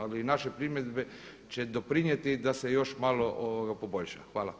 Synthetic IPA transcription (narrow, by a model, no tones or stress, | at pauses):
alinaʃepɾimjed̪be | t͡ɕed̪opɾiɲjet̪id̪asejoʃmaloʔoʋoɡapoboʎʲʃa̰xʋaːla̰